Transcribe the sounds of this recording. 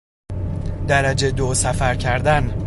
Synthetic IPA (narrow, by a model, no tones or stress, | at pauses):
d̪æɾæd͡ʒe̞d̪osæfæɾcʰæɾd̪æn